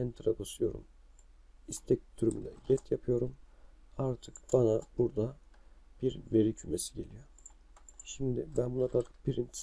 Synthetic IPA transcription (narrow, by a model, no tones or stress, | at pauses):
ɛnt̪ʰɾakosɯjo̞ɾṵm | ist̪ʰɛc̚t̪ʰyɾymy̰nd̪ɛɟɛt̪ʰjapʰɯjo̞ɾum | aɾt̪ʰɯkb̥anabuɾd̪ab̥iɾve̞ɾicʰyme̞siɟelʲijo̞ | ʃimd̪ɪbænbunakʰaɾkʰɯ̥kbiɾint̪ʰ